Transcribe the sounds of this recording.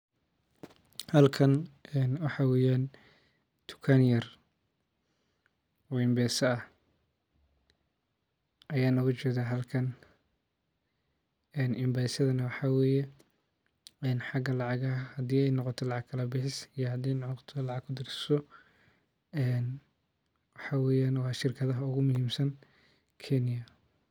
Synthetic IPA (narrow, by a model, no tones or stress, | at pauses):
hɐlkʰɐnɛnwɑħɑwɛːjaːn | t̪ʰʊ̥kʰanjɐr | ɔɪmbɛːsɐɐ | ʔɐjaːnɐɡʊt͡ʃɛðaɦɐlkʰɐn | ɛːnʔɪmbaːsɐðɐnɐwɑħɑwɛːjɛ | ɛːnħɑɡɐlɑʕɑɣɐhɐd̪iːɛjnɔqɔt̪ʰɔlɑʕɑɡkʰɐlɐbɪħɪsijɔhɐd̪ɛjnt̪ʰɔlɑʕɑɡkʰʊd̪ɪrsɪ̥sɔ | ɛːn | wɑħɑwɛːjaːnwɑʃɪrkʰɐðɐɦɐʊɣʊmʊhiːmsɐn | kʰɛnɪjɐ